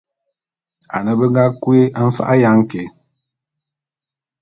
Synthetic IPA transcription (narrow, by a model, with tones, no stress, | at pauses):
a˨nə˨bə˦ŋ˦ɡa˦kwe˦a˦ɱ̩˦fa̰˦ʔa˦ja˦ŋ̩˦kɛ˨˦